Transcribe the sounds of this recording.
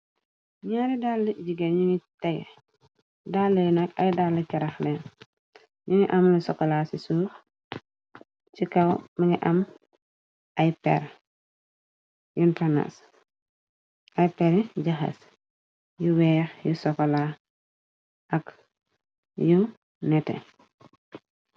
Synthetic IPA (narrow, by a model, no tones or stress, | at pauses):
ɲaːɾidalːɐɟiɡɐɲunitɐɡ | dalːɐjnɐkɐjdalːɐcɐɾɐxlɛn | ɲuniʔɐmlɐsɔkɔlaːsisuːx | t͡ʃikɐwmɐɲiʔɐm | ʔɐjpɛ̰ɾ | juntɐna̰s | ʔɐjpɛɾiɟɐxɐ̰s | juwɛːxjusɔkɔla | ʔɐk | ju | nɛtɛ̰